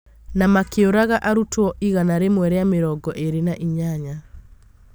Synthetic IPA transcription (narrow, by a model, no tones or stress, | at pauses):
namakeoɾaɣaʔaɾutwɔʔiɣanaɾemwɛɾeameɾɔɡɔʔeɾenaʔiɲaɲa